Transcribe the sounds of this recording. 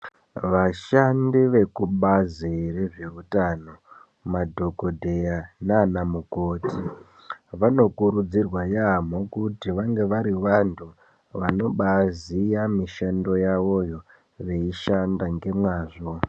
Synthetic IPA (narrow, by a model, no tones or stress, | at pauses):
ʋaʃandiʋe̞kuɓazireʐe̞rutano̞ | madʱo̞ko̞dʱe̞janaːnamuko̞ti | ʋano̞kuɾud͡zirwajamokutiʋaŋɡe̞ʋaɾiʋantʰu | ʋano̞ɓazijamiʃando̞jaʋo̞jo̞ | ʋe̞iʃandaŋɡe̞mwaːʐo̞